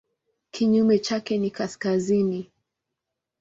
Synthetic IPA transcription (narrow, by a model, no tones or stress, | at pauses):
kʰiɲumɛt͡ʃakɛnikaskazini